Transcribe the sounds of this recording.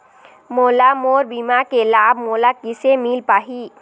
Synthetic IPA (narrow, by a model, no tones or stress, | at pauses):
moːlamoːɾbiːmakelaːbmoːlakɪsemiːlpaːɦiː